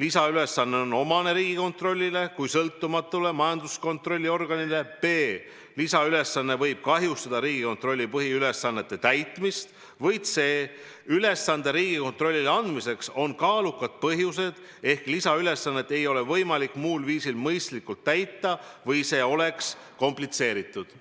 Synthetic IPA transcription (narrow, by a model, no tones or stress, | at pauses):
lisɑyle̞sːɑnːe̞o̞no̞mɑne̞ɾiːɡ̥iko̞nt̪ro̞lʲːile̞kujsɤlt̪ːumɑt̪ːˑule̞mɑjɑnd̪usko̞nt̪ro̞lʲːio̞rɡ̥ɑnile̞pe̞ː | lisɑyle̞sːɑnːe̞vɤ̞jb̥̚kɑɦjust̪ɑd̪̥ɑɾiːɡ̥iko̞nt̪ro̞lʲːipɤɦiyle̞sːɑnːe̞t̪ːe̞t̪æjt̪ːˑmist̪ | vɤjd̪se̞ː | yle̞sːɑnd̪eɾiːɡ̥iko̞nt̪ro̞lʲːileɑnd̪mise̞kso̞nkɑːlukːˑɑd̪̥̚pɤɦjus̬e̞d̪̥ | e̞hklisɑyle̞sːɑnːe̞t̪ːˑe̞jo̞le̞vɤjmɑlikːˑmuːlviːsilmɤjst̪likːˑult̪ːæjt̪ˑːɑvɤjse̞ːo̞le̞ks | ko̞mplit̪se̞ːɾit̪ːˑud̪̥